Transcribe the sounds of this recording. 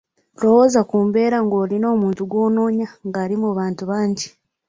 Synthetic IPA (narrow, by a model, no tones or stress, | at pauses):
ɾohozakuːmbe̞ːɾaŋɡo̞ːɾino̞ːmuːntuɡwo̞ːno̞ːɲaŋɡaɾimuβaːntuβaːɲɟi